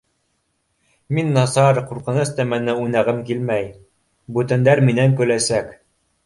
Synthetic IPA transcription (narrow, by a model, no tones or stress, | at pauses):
minːɑsɑɾquɾqɤ̆nɤst̪æmænɘunæʁɘmkilmæj | bʉt̪æ̆nd̪æɾminæŋkɵ̆læsæk